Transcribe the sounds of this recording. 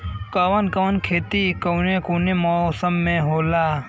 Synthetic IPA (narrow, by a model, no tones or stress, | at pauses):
kaʋənkɐʋənkʰeːt̪ikoːnẽkuːnẽmosəmːẽɦoːlaː